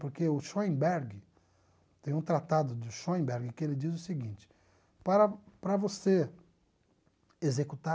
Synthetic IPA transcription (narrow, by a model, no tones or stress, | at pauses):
poɾkeʊʃoẽbɛɾɡɪ | t̪ẽj̃ũt̪ɾat̪ad̪ʊd̪ʊʃoẽbɛɾɡɪkɪelɪd͡ʒizʊsɪɡĩt͡ʃɪ̥ | paɾɐpɾɐvose | ezekut̪a